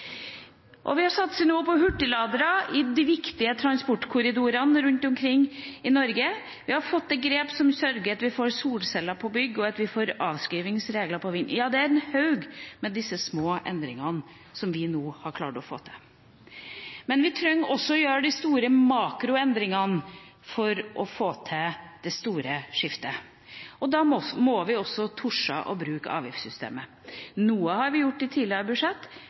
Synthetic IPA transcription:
ʔɔ̰ʋɪhɑɾsɑt̪sənoːpɔɦʉʈːɪlɑːd̪ɾəɪd̪ɪʋɪkt̪ɪət̪ʰɾɑnspɔʈːkʰʊɾɪd̪uːɾɑnɾʉnt̪ɔmkʰɾɪŋːɪnɔɾɡə | ʋɪhɑɾfɔt̪ːɛɡɾeːpsɔmsœɾɡəɾɑt̪ʋɪfoːɾsuːlsɛlːɑpʰɔbʏɡːɔɑt̪ʋɪfoːɾɑːʋskɾiːʋɪŋsɾeːɡləpʰɔʋɪnːjɑːd̪ɛæɾɛnhɑʉɡmɛd̪ɪsːəsmoːʔɛ̰nd̪ɾɪŋɑn | sɔmʋɪnuːhɑɾkʰlɑːʈɔfo̰ːt̪ʰɛ̥ | mɛnʋɪt̪ʰɾœŋːɔsːɔɔjøːɾəɖ̪ɪst̪uːɾəmɑːkɾʊɛnd̪ɾɪŋɑn | fɔɾʔɔfoːt̪ʰɛd̪̥ɛst̪uːɾəʂɪft̪ə | ɔd̪ɑɔmɔʋɪɔsːɔt̪ʰʊʂɑ̰ʔɔ̰bɾʉːkɑ̰ːʋjɪ̰fsʏst̪ḛːmə | nuːəhɑɾʋɪjʊʈːɪt̪ʰiːlɪəbʉʂɛt̪ː

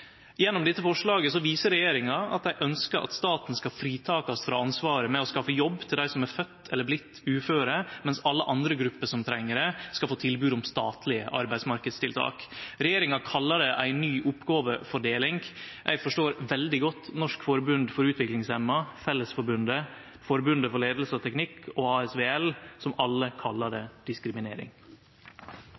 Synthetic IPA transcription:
jɛnːʊmd̪ɪt̪ːəfɔʂɭɑːɡəsɔʋiːsəɾɛjeːɾɪŋɑɑ̰t̪d̪æɪʔœnskəɾʔɑ̰t̪st̪ɑːt̪n̩skɑfɾiːt̪ʰɑːkɑsfɾɑ̰ːɑnsʋɑːɾəmɛɔskɑfəjɔbːt̪ʰɪld̪æɪsɔmæɾfœt̪ʰːɛləblɪt̪ːʉːføːɾəmɛnsɑlːəʔɑnd̪ɾəɡɾʉpːəʂɔmt̪ʰɾɛŋːəɾəskɑlfoːt̪ʰɪlbʉːd̪ʊmst̪ɑ̰ːt̪ʰlɪə̰ʔɑ̰ɾbæɪd̪smɑɾkəd̪st̪ɪlt̪ʰɑ̰ːkɾɛjeːɾɪŋɑkʰɑlːɑɖɛʔæ̰ɪnːyːʔʊpːɡɑːʋəfɔɖeːlɪŋɡʔæ̰ɪfɔʂʈoːɾʋɛld̪ɪɡɔt̪ːnɔʂkfɔɾbʉnd̪fɔɾʉːt̪ʰʋɪklɪŋsɛmːɑfɛlːəsfɔɾbʉnd̪ə | fɔɾbʉnd̪əfɔɭeːd̪l̩sɔt̪ʰɛknɪkʰːɔɑːɛsʋeːɛlsɔmɑlːəkʰɑlːɑɖɛd̪̥ɪskɾɪmɪneːɾɪ̰ŋ

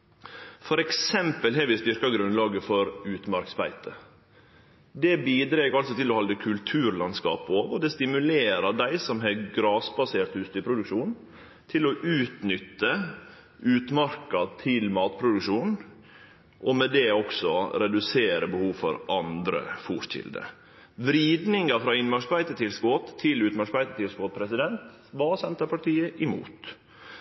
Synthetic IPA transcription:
fɔɾɛksɛmpəlɦɛɾʋɪst̪ʏɾkɑɡɾʉnlɑːɡəfɔɾʉːt̪mɑɾksbæɪt̪ʰə | d̪ɛbiːd̪ɾeːɡɑlsɔt̪ʰɪlɔhɑld̪əkʰʉlt̪ʰʉːɾlɑnskɑ̰ːpoːʋɔd̪ɛst̪ɪmʉleːɾɑɖ̪æɪsɔmɦɛɡɾɑːsbɑseːɾt̪hʉːst̪ypʰɾʊd̪ʉkʃuːn | t̪ʰɪlɔʔʉːt̪nʏt̪ːə | ʉːt̪mɑɾkɑt̪ʰɪlmɑːt̪pʰɾʊd̪ʉkʂuːn | ʔɔmɛd̪ɛɔksɔɾɛd̪ʉseːɾəbəhuːʋfɔ̰ɾʔɑnd̪ɾə̰fuːʂçɪ̰ld̪ə̰ | ʋɾiːd̪nɪŋɑfɾɑːɪnmɑʂbæɪt̪ət̪ʰɪlskot̪ʰːɪlʉːt̪mɑʂbæɪt̪ət̪ʰɪlskɔt̪̚pʰɾɛsɪd̪ɛnt̪ | ʋɑːsɛnt̪əpɑʈʰiːəʔɪmṵːt̪

